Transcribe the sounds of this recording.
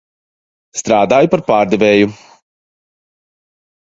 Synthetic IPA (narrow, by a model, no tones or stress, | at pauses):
st̪ɾaːd̪aːjupaɾpaːɾd̪ɛvʲeːju